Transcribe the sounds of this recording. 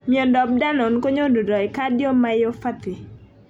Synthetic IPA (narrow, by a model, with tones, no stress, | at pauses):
mi˨ɔ˨ndɔ˨b̚da˦nɔ˨nko˦ɲo˦do˨dɔ˨ɛ˨ka˦djɔ˦ma˦jo˦fa˦t̪ɪ˨